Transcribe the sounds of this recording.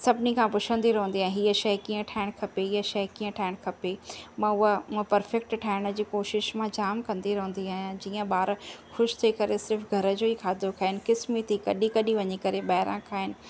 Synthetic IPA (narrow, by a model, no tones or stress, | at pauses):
sɐbʱnikʰãpʊt͡ʃʰə̃nd̪iɾɐɦũnd̪iãːɦiːəʃɐkĩːə̃ʈʰaːɪɽ̃kʰɐpeɦiːəʃɐɦkĩːə̃ʈʰaːɪɽ̃kʰɐpemãʊɦə̃pɐɾfɛk̚ʈʈʰaːɪɽ̃əd͡ʑiːkoːʃɪʃmãd͡ʑaːmkɐ̃nd̪iɾɐɦũnd̪iaːɦjãd͡ʑiːə̃ɓaːɾxʊʃt̪ʰɐiːkɐɾesɪɾfɡʱɐɾəd͡ʑoːikʰaːd̪ʱokʰaːɦɪnɪ̆kɪsmit̪ʰikɐɗikɐɗiʋɐɲikɐɾeɓɐːɪɾã̰kʰaːɦɪnɪ̆